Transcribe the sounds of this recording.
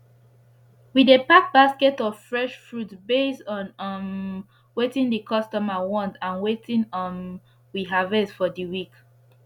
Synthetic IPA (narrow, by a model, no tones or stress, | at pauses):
widepak̚baskɛtɔv̥fɹɛʃfɹutbestɔ̃nn | wetĩŋdəkʰɔstɔmawɔ̃ndãnwetĩŋɔ̃n | wiɦavesfɔdiwik